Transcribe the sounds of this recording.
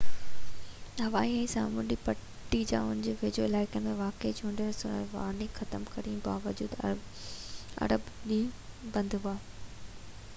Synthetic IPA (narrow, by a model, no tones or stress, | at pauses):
ɦɐʋaːiɛ̃ːsaːmʊɗipɐ | ʈːid͡ʑã̰ːʊnɪd͡ʑeːʋeːd͡ʑoɪlaːɪkəmẽʋaːked͡ʑʱũːɳɖəɾsʊnə̰ɾʋa̰ːɾnixɐt̪əmkɐɾĩbaːʋəd͡ʑuːd̪ | ɐ̰ɾəbɗibɐ̃nd̪ɦʊaː